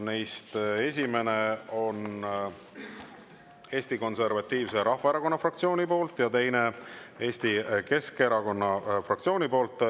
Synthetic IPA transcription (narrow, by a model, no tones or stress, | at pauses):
nejst̪e̞s̬ʲime̞neo̞n | e̞ːsʲt̪iko̞nse̞rvɑt̪ʲːˑiːvse̞ɾʔɑhvɑeɾɑko̞nːɑfrɑkt̪sio̞ːnʲipo̞ːlt̪ːˑjɑt̪e̞jne̞e̞ːsʲt̪ike̞skeɾɑko̞nːɑfrɑkt̪sioːnʲipo̞ːlt̪ːˑ